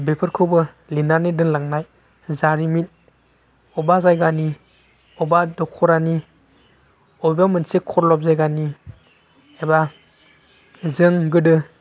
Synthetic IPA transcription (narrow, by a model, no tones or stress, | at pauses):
bepʰɯɾkʰɯwbɯ | linanidɯŋlaŋnaj | zaɾimit̚ | ɔbazajɡani | ɔbadɔkʰɔɾani | ɔjbamɯnsekʰɔɾlɔp̚zajɡani | eba | zɯŋɡɯdɯ